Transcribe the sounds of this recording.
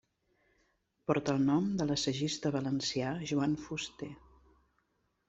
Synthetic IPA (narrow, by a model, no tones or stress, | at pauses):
pɔɾt̪əːlˠnɔmd̪ələsəʒist̪əβ̞ələnsijaʒuanfust̪e